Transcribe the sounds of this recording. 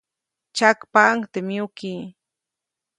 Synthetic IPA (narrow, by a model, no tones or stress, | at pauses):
t͡ʃakpaŋt̪emjʊkiː